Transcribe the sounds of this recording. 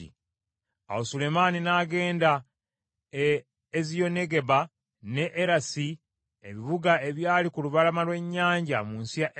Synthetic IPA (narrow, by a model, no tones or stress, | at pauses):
ḭ | a̰wosule̞maninaːɡe̞ːnda | ezijo̞ne̞ɡe̞βa | ne̞ʔːɾasi | eβiβuɡae̞βjaːlikuluβalamalwe̞ɲːaːɲɟamuːnsijaʔ